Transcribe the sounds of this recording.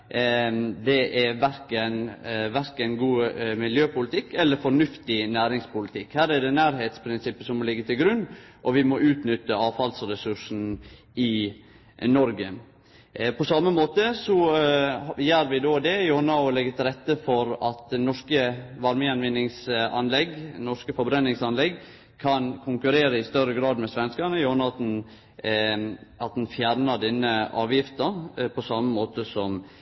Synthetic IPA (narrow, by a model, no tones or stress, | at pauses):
d̪ɛʔæʋæɾkənʋæɾkənɡuːmɪljøːpʊlɪt̪ʰɪkːɛlːəɾfɔɳʉft̪ɪnæːɾɪŋspʊlɪt̪ʰɪkhæːɾæɖɛnæːɾɦeːt̪spʰɾɪnsɪpːəsɔmɔlɪɡːət̪ʰɪlɡɾʉnːʔɔʋɪmɔʔʉːt̪nʏt̪ːəɑːfɑlsɾɛsʉʂn̩ | ɪ | nɔɾɡə | pʰɔsɑmːəmoːt̪əsɔ | jæːɾʋɪd̪oːd̪ɛjʊhɑnɑʊlɛɡət̪ʰɪɾɛt̪ːəfɔɾɑt̪nɔʂkəʋɑɾməɑnʋɪnːɪŋsɑnlɛɡnɔʂkəfɔbɾɛnːɪŋsɑnlɛɡ | kʰɑnkʰʊŋkʉɾeːɾəɪst̪œɾəɡɾɑːd̪mɛsʋɛnskɑɳəjʊɑnɑɑt̪̚n̩ | ɑt̪̚d̪n̩fjæɾnəɖ̪ɛnːəɑːʋjɪft̪əpʰɔsɑmːəmoːt̪əsɔm